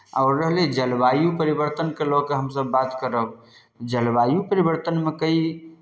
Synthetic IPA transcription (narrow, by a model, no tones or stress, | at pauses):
a̰ʊɾːəɦled͡ʒəlbajupəɾibəɾt̪ənkelokeɦəmsəbːat̪kəɾəb | d͡ʒəlbajupəɾibəɾt̪ənmekəi